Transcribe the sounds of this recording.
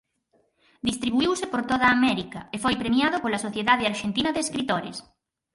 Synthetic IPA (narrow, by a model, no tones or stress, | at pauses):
d̪ist̪ɾiβuiwsepoɾt̪oð̞aːmɛɾikaefojpɾemjaðopolasoθjeðaðeaɾʃent̪inɐðeskɾit̪oɾɪ̰s